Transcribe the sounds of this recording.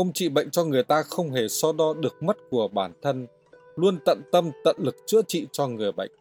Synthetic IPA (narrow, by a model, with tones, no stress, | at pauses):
ʔə˧wŋ͡mt͡ɕḭ˧˨ɓə̰˧˨jŋ̟t͡ɕɔ˧ŋɨ˨˩əjt̪aː˧xə˧wŋ͡mɦe˧˩sɔ˧ɗɔ˧ɗɨ˨˩ək̚mə˦˥t̚ku˧˩əɓaː˧˩nt̪ʰə˧n | lu˧ənt̪ə̰˧˨nt̪ə˧mt̪ə̰˧˨nlɨ˨˩k̚t͡ɕɨ̰˧˥ət͡ɕḭ˧˨t͡ɕɔ˧ŋɨ˨˩əjɓə̰˧˨jŋ̟